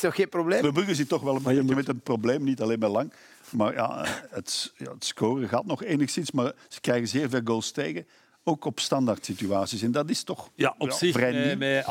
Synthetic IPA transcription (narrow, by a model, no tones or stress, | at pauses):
snɔxxeːnprobleːʋəbʉɣəzitɔxʋɛləmbeəmɛtənprobleːmnitɑleːnmɛlɑŋ | maːrja̰ətja̰ətskoːrəɣaːtnɔχeːnəxsɪnsmaːrz̥ə̥krɛjɣəzeːrveːlˠɡolˠsteːɣə | oːkɔpstɑndartsityaːsisɛndɑtɪstɔxjaɪvrɛj